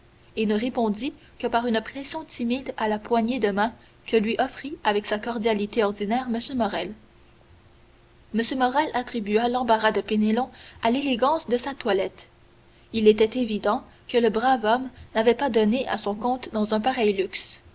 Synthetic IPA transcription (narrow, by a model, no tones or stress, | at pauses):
enəʁepɔ̃d̪i | kəpaʁynpχɛsjɔ̃t̪ʰimid̪alapwaɲed̪əmɛ̃ | kəlɥiʔɔfʁiavɛksakɔʁd̪jalit̪eɔʁd̪inɛːʁməsjømɔʁɛl | məsjømɔʁɛlat̪χibyalɑ̃baʁad̪əpenelɔ̃aleleɡɑ̃sd̪əsat̪walɛt̪ | ilet̪ɛt̪evid̪ɑ̃ | kələbʁavɔmnavɛpad̪ɔneʔa̰sɔ̃kɔ̃t̪d̪ɑ̃zɛ̃paʁɛjlyks